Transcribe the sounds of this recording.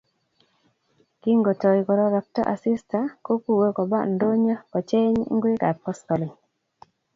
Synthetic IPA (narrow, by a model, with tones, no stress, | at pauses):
ki˦ŋɡo˨tɔ˨i˨kɔ˨ɾɔ˦ɾɔ˨k̚tɔ̰˦ʔa˨si˦sta˨ko˦ku˦˨we˦kɔ˨ba˦ndo˦ɲɔ˦kɔ˨t͡ʃe˦ɲ̰˦ŋ˦ɡwe˦ka˨pɔ˦stɔ˨li˨